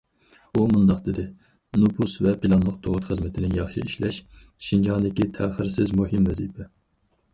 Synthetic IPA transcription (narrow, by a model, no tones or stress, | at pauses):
umund̪ɑqd̪ɪd̪ɪ | nupʰusvɛpɪlˠɑnlˠəq̚t̪ʰoʁʊt̪χəzmɪt̪ʰɪnɪjɑχʃɨ̰iʃlɛʃ | ʃind͡ʒɑnd̪ɪkʲit̪ʰɛːχɪɾsɪzmuɦɪmvɛzipʰɛ